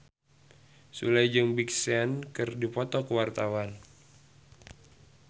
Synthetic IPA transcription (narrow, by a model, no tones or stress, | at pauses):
sṵlajd͡ʒəŋbik̚sɛnkɨrdipɔt̪ɔkəwart̪awan